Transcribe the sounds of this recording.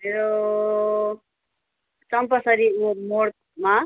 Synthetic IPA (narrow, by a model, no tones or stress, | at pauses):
meɾo | t͡sʌmpʌsʌɾimomoɽ̚ | ma